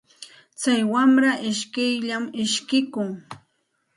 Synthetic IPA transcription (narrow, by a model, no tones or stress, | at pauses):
t͡sajwamɾaʔɪʃkɪjʎamɪʃkɪkʊŋ